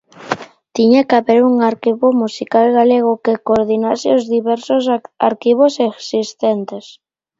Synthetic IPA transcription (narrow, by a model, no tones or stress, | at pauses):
t̪iɲakaβeɾuŋaɾkiβomusikalɣaleɣ̞ʊkekoɾðinasɪozðiβɛɾsosa̰ɾkiβ̞oseksist̪ɛnt̪es